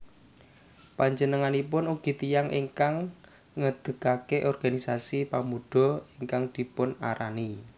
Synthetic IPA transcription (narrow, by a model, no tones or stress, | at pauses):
paɲd͡ʒənəŋanipʊnuɡ̥i̤t̪ijaŋʔḭŋkaŋː | əd̪̥ə̤kakeʔɔrɡ̥anisasipamuɖ̪̥ɔ̤iŋkaŋd̪̥i̤pʊna̰ɾani